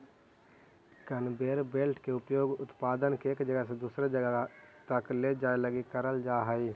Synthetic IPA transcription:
kənbeːɾbeːlʈʰkeʊpjoːɡʊt̪paːd̪ənkeːkd͡ʒəɡəɦsed̪uːsɾed͡ʒəɡət̪əkled͡ʒaːeləɡikəɾəld͡ʒaːɦəi

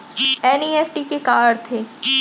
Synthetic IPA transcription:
ɛːniːɛfʈikekaːɽt̪ʰeː

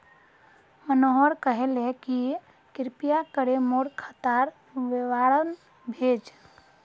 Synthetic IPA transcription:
mənoɦoɾkəɦeleki | kɪɾpijakəɾemoɽkʰət̪aɾ | ʋeʋaːɾən | bʱeːd͡ʒ

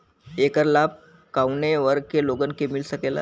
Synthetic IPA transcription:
ekəɾlab̚ | kawneʋəɾkeloɡənkemilsəkela̰

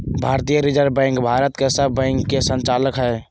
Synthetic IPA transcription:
bʱaːɾt̪ijəɾɪd͡ʒəɾbɛ̃ːŋkbʱaːɾət̪kesəbɛ̃ːŋkːesə̃nt͡ʃaːləkɦɛː

